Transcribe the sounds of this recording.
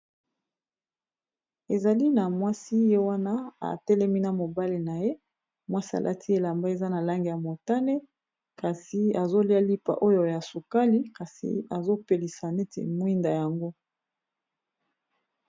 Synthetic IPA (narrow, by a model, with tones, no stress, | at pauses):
e˨za˨li˦na˨mwa˦si˦je˦wa˦na˦a̰˨tɛ˦lɛ˦mi˦na˨mo˨ba˦le˨na˨je˦ | mwa˦si˦a̰˨lʔa̰˦tʰi˦e˨la˨mba˦e˨za˦na˨la˦ŋɡi˨ja˨mo˨ta˦ne˦ | ka˨si˨a˨zo˦li˦a˦li˦pa̰˨ʔo˦jo˨ja˨su˨ka˦li˦ka˨sḭ˨a˨zo˦pe˨li˨sa˨ne˦tḛ˨mwi˦nda˨ja˨ŋɡo˦